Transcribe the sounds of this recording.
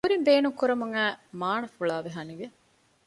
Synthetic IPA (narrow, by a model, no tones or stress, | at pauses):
uɾimbeːnuŋkuɾɐmuŋæːmaːnɐfuɭaːʋeɦɐniʋe